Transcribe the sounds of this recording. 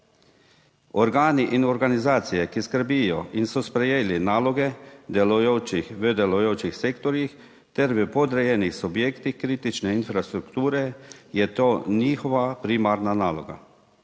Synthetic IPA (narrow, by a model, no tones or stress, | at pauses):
ɔɾɡaːniʔinɔɾɡanizaːt̪sijɛkiskəɾbijɔʔinsɔspɾɛjeːlinaːlɔɡɛd̪ɛlɔjoːt͡ʃixʋəd̪ɛlɔjoːt͡ʃixseːkt̪ɔɾjix | t̪ɛɾʋəpɔd̪ɾɛjɛːnixsubjeːkt̪ixkɾiːt̪it͡ʃnɛinfɾast̪ɾukt̪uːɾɛjɛt̪oːniːxɔʋapɾimaɾnanaːlɔɡa̰